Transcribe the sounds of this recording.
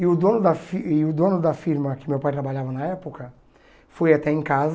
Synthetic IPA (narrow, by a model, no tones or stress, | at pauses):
ɪʊd̪õnʊd̪ɐfiɪʊd̪õnʊd̪ɐfiɾmɐkɪʊmewpajt̪ɾabaʎavɐnɐɛpʊkɐ | fojat̪ɛẽkaz